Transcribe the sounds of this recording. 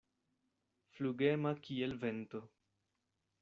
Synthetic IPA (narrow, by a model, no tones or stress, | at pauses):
fluɡemakielvent̪o